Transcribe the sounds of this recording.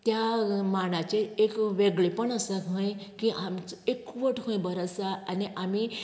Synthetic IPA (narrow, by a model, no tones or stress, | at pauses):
t̪jamaɽ̃at͡ɕeekʋeɡɭepəɳəsakɦə̃jkiʔamt͡sekːuʋəʈɦə̃j̃bəɾasaaniʔami